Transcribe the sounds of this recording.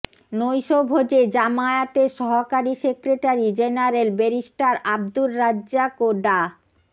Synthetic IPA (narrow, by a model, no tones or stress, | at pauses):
nojʃobʱod͡ʑed͡ʑamaeat̪eʃɔɦokaɾisekɾeʈaɾid͡ʑenaɾelbeɾiʃʈaɾab̚d̪ulːadd͡ʑakoɖa